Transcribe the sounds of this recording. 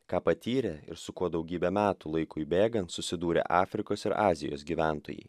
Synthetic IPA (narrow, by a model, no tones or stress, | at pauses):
kɑːpɐt̪ʲiːɾʲɛɪ̰ɾsʊkuɔd̪ɐʊɡʲiːbʲɛmʲæːt̪ʊlˠɐɪkʊibʲeːɡɐnt̪sʊsʲɪd̪uːɾʲḛʔɑːfʲɾʲɪkoːsɪɾɑːzʲɪ̰jo̰ːsɡʲiːʋʲæˑnt̪o̰ːjɛ̰ɪ